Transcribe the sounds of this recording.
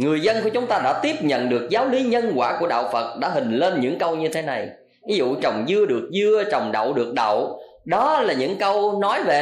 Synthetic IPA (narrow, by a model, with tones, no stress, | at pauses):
ŋɨ˨˩əjzə˧nku˧˩ət͡ɕʊ˨˦ŋ͡mt̪aː˧ɗa̰ː˧˥t̪i˦˥əp̚ɲə̰˧˨nɗɨ˨˩ək̚zaː˨˦wli˨˦ɲə˧nkwaː˧˩ku˧˩əɗa̰ː˧˨wfə˨˩t̚ɗa̰ː˧˥ɦï˨˩ŋ̟le˧nɲɨ̰˧˥ŋkə˧wɲɨ˧t̪ʰe˨˦na˨˩j | vi˨˦zṵ˧˨t͡ɕə˨˩wŋ͡mzɨ˧əɗɨ˨˩ək̚zɨ˧ət͡ɕɔ˨˩wŋ͡mɗa̰˧˨wɗɨ˨˩ək̚ɗə̰˧˨w | ɗɔ˨˦laː˨˩ɲɨ̰˧˥ŋkə˧wnɔ˨˦jve˨˩